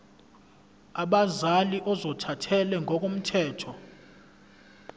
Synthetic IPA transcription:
aɓazaliʔɔzɔtʰatʰɛlɛŋʱɔk̬ʼom̩tʰɛːtʰɔ

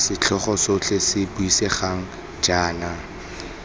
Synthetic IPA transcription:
sɪt͡ɬʰɔχɔsot͡ɬʰesɪbʊiseχaŋ̩ | d͡ʒaːna

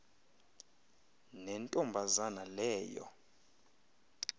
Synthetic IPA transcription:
nɛntʼɔmbʱazanalɛːjɔ̰

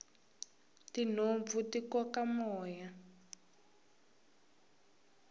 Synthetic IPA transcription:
tin̤ob̪vutikɔkamɔːja

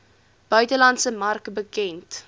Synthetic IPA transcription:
b̥œɥtəlɐntsəmɐrkbəkɛnt

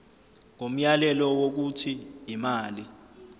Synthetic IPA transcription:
ŋom̩jalɛlɔwok̬utʰiːmaːli

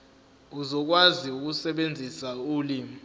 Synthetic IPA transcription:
uzɔk̬waziuk̬usɛɓend͡zʱisauːli

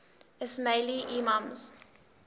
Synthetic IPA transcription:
ɪsmeliʔimãmz̥

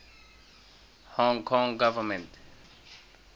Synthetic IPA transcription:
hɔ̃ŋkʰɔ̃ŋɡavəmɛ̃nt

